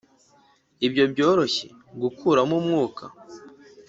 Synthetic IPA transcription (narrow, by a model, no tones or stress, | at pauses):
ibjo̞bɟo̞ːɾo̞çḛ | ɡukʰuːɾamumŋuːkʰa